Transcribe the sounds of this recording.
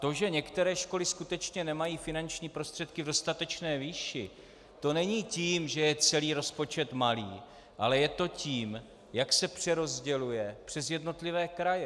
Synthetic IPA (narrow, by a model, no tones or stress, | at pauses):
t̪o̞ʒɛɲɛkt̪ɛɾɛːʃko̞lɪskut̪ɛt͡ʃɲɛnɛmajiːfɪnant͡ʃɲiːpɾo̞st̪r̥ɛt̪kɪvdo̞st̪at̪ɛt͡ʃnɛːviːʃɪ | t̪o̞nɛɲiːciːmʒɛjɛt͡sɛliːɾo̞spo̞t͡ʃɛt̪malḭː | ʔalɛjɛt̪o̞ciːm | jaksɛpr̝̥ɛɾo̞zɟɛlujɛpr̝̥ɛzjɛdno̞t̪lɪvɛːkɾajɛ